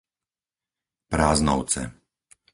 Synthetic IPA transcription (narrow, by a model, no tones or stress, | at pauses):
pɾaːznɔ̰ʊt͡sɛ̰